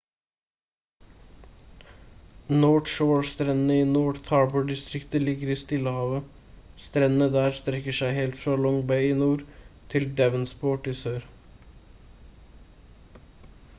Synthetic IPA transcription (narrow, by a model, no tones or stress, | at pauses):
noːʈʃoːɹst̪ɾɛnnəiːnoːɖt̪ʰɑːbʊɖɪst̪ɾɪkt̪əlɪɡəɾiːst̪ɪləhɑːʋə | st̪ɾɛnn̩əd̪æːɾst̪ɾɛkːəʂæɪheːlt̪fɾɑlɔŋbæɪɪnuːɾt̪ʰɪld̪ɛʋənspoːʈiːsøːɾ